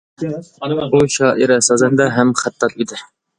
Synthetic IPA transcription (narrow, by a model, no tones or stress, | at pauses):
buʃɑːʔiɾɛsɑzɛnd̪ɛɦɛmχæt̪ːɑt̪id̪ɪ